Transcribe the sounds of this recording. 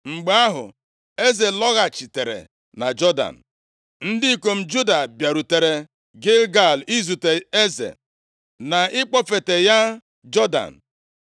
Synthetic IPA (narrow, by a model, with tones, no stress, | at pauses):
ŋ͡m̩˨ɡ͡ba˦ɦʊ̰˨ | e˦ze˨lɔ˦ɣa˨t͡ʃi˨te˨ɾḛ˨ | na˨d͡ʒɔ˦da̰˨n̩˨ | n̩˦dɪ˦i˨ko˨m̩˦d͡ʒu˦da˨bja˨ɾu˨te˨ɾe˨ | ɡɪ˦lɡa˦˨li˦zu˨te˨e˦zḛ˨ | na˨ɪ˦k͡pɔ˦fe˨te˨ja˦ | d͡ʒɔ˦da̰˨n̩˨